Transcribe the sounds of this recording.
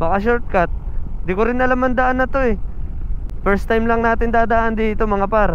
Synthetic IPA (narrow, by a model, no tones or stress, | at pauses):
bɐkaʃ̬oɾt̪̚kat̪̚d̪ɪkoɾɪnɐlamɐnd̪aʔanɐt̪o̞ɛ | fɛɾst̪ajmlɐŋnaːt̪ɪnd̪aːd̪ɐaːʔand̪iːt̪o̞mɐŋapaɾ